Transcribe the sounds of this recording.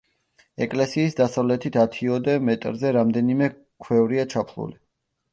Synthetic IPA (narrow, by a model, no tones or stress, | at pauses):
ɛkʼlɛsiːsd̪asavlɛt̪ʰit̪ʰat̪ʰiɔd̪ɛmɛt̪ʼɾzɛɾamd̪ɛnimɛ | kʰwɛvɾiat͡ʃʰapʰlˠṵli